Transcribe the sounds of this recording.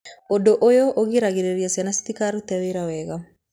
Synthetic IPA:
odoʔojoʔoɣiɾaɣiɾeɾjasanasi̥tikaɾut̪ɛweɾawɛɣa

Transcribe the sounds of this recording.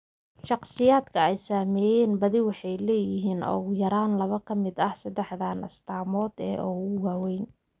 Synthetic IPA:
ʃɑqsɪjaːd̪kʰɐɛjsaːmɛːjɛːnbɐðɪwɑħɑjlɛːjɪɦiːnɔ̰ːɣʊjɐɾaːnlɐβɐkʰɐmɪd̪ɐhsɐd̪ɛħdaːnʔɐ̰st̪ʰaːmɔːd̪ɛ̰ːʔɔɣʊwaːwɛjn

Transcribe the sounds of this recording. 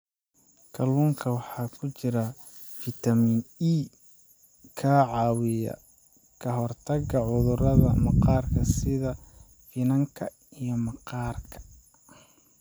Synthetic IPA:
kʰɐluːŋkʰɐwɑħɑːkʰʊt͡ʃɪɾɐ | fɪt̪ʰɐmini | kʰɐʕɑːwɪjɐ̰ | kʰɐɦɔrt̪ʰɐɡɐʕʊðʊrɐðɐ̰mɑqɑːrkʰɐsɪðɐ | fɪnɐŋkʰɐ | ijɞmɑqɑːrkʰɐ̥

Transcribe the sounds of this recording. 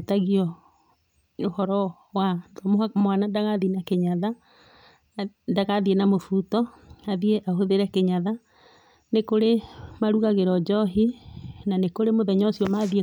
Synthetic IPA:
taɣiɔ | ohɔɾɔ | wadɔmohamwanadaɣaðinakeɲaða | daɣaðienamofutɔ | aðieʔaɦoðeɾɛkeɲaða | nekoɾemaɾuɣaɣeɾɔd͡ʒɔɦinanekoɾemoðɛɲɔsiɔmaðie

